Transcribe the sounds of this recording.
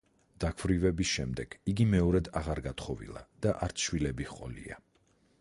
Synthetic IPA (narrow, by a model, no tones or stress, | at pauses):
d̪̥akʰvɾivɛbisʃɛmd̪ɛɡ̥iɡimɛɔɾɛd̪aʁaɾɡat̪χɔvḭlˠa̰d̪̥aʔaɾt̪sʰʃwilɛbihqʼɔ̰lḭa̰